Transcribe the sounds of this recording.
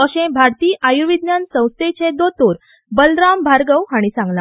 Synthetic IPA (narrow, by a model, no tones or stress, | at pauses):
əɕẽbʱaɾt̪iːʔajuʋid̪njansə̃w̃st̪ʰet͡ɕẽd̪ot̪oɾ | bəlɾambʱaɾɡəwɦaɽ̃isãŋɡlã